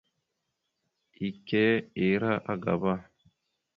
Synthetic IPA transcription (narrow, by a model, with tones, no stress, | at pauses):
i˨kɛ˦e˨ɾa˦ʔa˦ɡa̰˨ba˦˨